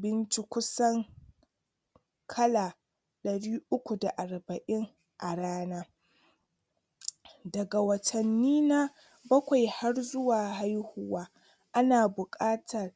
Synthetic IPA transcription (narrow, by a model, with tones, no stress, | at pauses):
bɪ˦nt͡ʃi˦kʷʊ˦sɐ˦ŋ | kʰɐ˦laː˨ | ɗɐ˨ɽiː˦ʔʊ˦kʷu˨da˨ʔa˨rbɐ˨ʔɪ˦ŋ | ʔa˨ɽaː˦naː˦ | dɐ˨ɡa˨wɐ˨tʰɐ˨nːiː˦na˦ | bɐ˦kʷa˨jha˦rzʊ˦waː˨ha˦jhʊ˦waː˦ | ʔa˦naː˨bʊ˨kʼaː˦tʰɐ˨r